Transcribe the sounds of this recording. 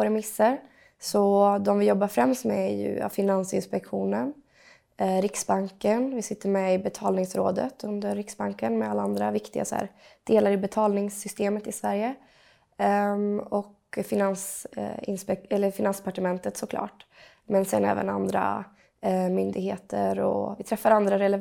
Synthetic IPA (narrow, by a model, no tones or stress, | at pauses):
ɾɛmɪsːəɾ | sɔd̪ɔmvɪjɔbːafɾɛmst̪mɛæjɵ̰a̰fɪnansɪnspɛkɧuːnən | ɾɪksbaŋkənvɪsɪt̪ːəɾmɛɪbɛt̪ʰɑːlnɪŋsɾoːd̪ə̰t̪ʰɵnd̪əɾːɪksbaŋkənmɛalːaand̪ɾavɪkt̪ɪɡa̰sɔæ̰ːɾd̪̥eːlaɾɪbɛt̪ʰɑːlnɪŋsːʏst̪eːmət̪ɪsvæɾjə | ɔk | fɪnansɪ̰nspɛɛlːəɾfɪnanspʰaʈəmɛnt̪ət̪sɔkʰlɑ̰ːʈ | mɛnsɛ̰nɛ̰ːvə̰na̰nd̪ɾa̰ | mʏnd̪ɪɡheːt̪ʰə̰ɾɔ̰vɪt̪ʰɾɛfːaɾand̪ɾaɾɛlɛ